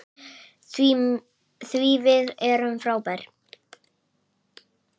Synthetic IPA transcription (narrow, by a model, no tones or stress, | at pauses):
θvivɪðɛɾʏmfɾaːwpajɾ̥